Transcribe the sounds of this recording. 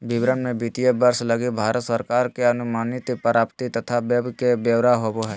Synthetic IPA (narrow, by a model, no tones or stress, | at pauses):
bɪbɾənmẽbit̪ijəbəɾsləɡibʱaːɾət̪səɾkaːɾkeɐnʊmaːnit̪pəɾaːpt̪it̪ɐt̪ʰabjəbʱkebjəʋɾaɦoboɦɛ